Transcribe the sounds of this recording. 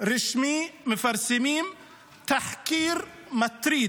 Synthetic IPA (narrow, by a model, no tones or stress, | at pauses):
ɾɪʃmimɪfaɾˤsɪmiːm | t̪aħkiːɾmat̪ɾiː